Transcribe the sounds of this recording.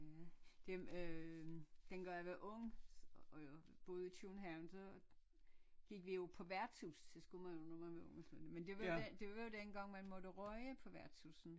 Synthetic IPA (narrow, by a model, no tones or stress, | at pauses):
jæd̥emø | d̥enɡ̥ɶɐjʋeʔɔ̽ŋ̰ | job̥ɔ̽ːð̞ˠit͡sʰuːnɦæʊnsɒ̽ | ɡ̥iɡ̥ʋijo̝pʰɒ̽ʋæɐ̰t͡sʰusd̥esɡ̥umænjonomæɐʋeɔŋəsluð̰ˠnəmend̥e̝ʋɑd̥e̝ʋɑjo̝d̥enɡ̥ɑ̈ŋ̰mænmɔ̽ɾ̥əʁœɪəpʰɒ̽ʋæɐt͡sʰusn̩